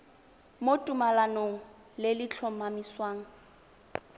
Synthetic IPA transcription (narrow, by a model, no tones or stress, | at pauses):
motʼumalanoŋ̩ | lɪlɪt͡ɬʰɔmamiswaːŋ̩